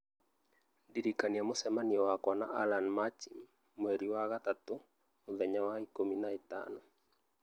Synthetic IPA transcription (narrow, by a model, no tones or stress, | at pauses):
diɾikaniamosɛmaniɔwakwana̰ʔalanmat͡ʃimː | weɾiwaɣat̪at̪o | ʊðɛɲawaikominaita̰nɔ